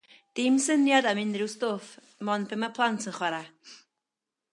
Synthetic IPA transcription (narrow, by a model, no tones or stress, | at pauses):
d̥ɪmsənjadamɪndrɪwstoːf | mɔnbʰəmapʰlˠantʰənχwɛɾa